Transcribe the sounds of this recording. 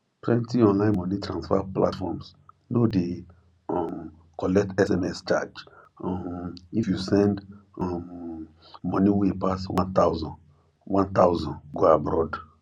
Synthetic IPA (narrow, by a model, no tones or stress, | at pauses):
twɛ̃ntiɔ̃nlãɪ̃nmɔ̃nitɹãnsfapla̰tfɔ̰ms | node | ɔm | kɔlɛk̚tɛsɛmɛst͡ʃa̰d͡ʒ | ɔifjusɛ̃ndɔm | mɔ̃niwepaswãnt̪awzɔ̃n | wãnt̪awzɔ̃nɡoabɹɔd